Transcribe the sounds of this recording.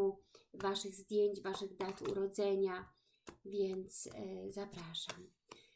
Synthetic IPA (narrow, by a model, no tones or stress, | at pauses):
uvaʂɘɣzd̪ʲjeɲt͡ɕvaʂɘɣd̪at̪ṵɾɔd̪zɛɲa | vʲjɛnt̪szapɾaʂam